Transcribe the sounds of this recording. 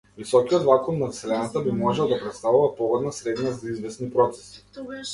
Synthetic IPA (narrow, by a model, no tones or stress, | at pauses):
visɔkiɔd̪vakɔnːansɛlɛnat̪abimɔʒɛlˠd̪apɾɛt̪st̪avuvapɔɡɔd̪nasɾɛd̪nazaizvɛsnipɾɔt̪sɛ̥si̥